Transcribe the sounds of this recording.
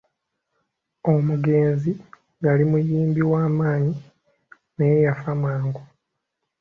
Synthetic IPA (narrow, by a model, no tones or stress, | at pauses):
o̞muɡe̞ːnzi | jalimujiːmbiwaːmaːɲi | nejejafamwaːŋɡo